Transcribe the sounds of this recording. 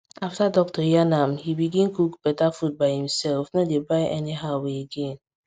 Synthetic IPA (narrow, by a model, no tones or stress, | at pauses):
aftadɔk̚tɔjanamhibiɡĩnkukb̥ɛtafut̚baɪhĩm̩sɛlfnɔdebaɪʔeniɦaʊweeɡẽn